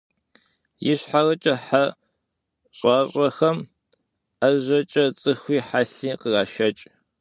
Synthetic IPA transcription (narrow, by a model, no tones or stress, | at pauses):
jɪɕħarɐt͡ʃʼɐħa | ɕʼɑːɕʼɐxɐm | ɐʑʷɐt͡ʃʼɐt͡sʼɨxʷiːħaɬiːqəraːʃɐt͡ʃʼ